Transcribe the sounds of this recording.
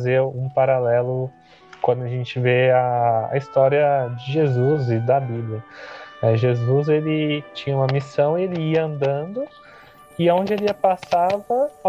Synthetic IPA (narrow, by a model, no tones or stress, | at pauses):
zeɾũpaɾalɛlʊ | kwɐ̃d̪ʊaʒẽnt͡ʃɪveaɐ̰ist̪ɔɾiɐd͡ʒɪʒezuzɪd̪ɐbiblʲjɐnɛʒezuzelɪt͡ʃĩɲɐũmɐmisɐ̃w̃elɪiɐɐ̃nd̪ɐ̃nd̪ʊ | ɪaõnd͡ʒɪeliɐpasavɐ